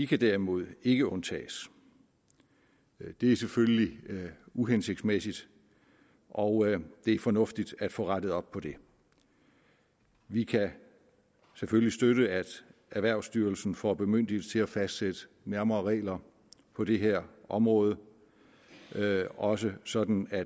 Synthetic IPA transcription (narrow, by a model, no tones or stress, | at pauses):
ʋikʰæd̥æɐimo̝ð̞ˠe̝ɡ̥əɔ̽nt͡sʰɛ̰ːs | d̥e̝æɐseføləli | uɦense̝ɡ̥d̥smesid̥ | ʔɒʊd̥e̝æɐfɒ̽nɔ̽fd̥id̥æd̥fɔ̰ːʁaɾ̥əð̩ˠɒ̽b̥̚pʰɒ̽d̥e̝ | ʋikʰæ | seføllisd̥øɾəæd̥æɐʋæɐ̰ʊsd̥yːɐl̩sn̩fɒb̥e̝møn̰d̥it͡sʰe̝læfæsd̥sed̥ə | næɐmɐːʁɛ̰ːlɐ | pʰɒ̽d̥e̝ɦeɐ̰ʔɒ̽mʁɔ̽ːð̩ˠə | ɒ̽s̬əsɒ̽d̥n̩æ̥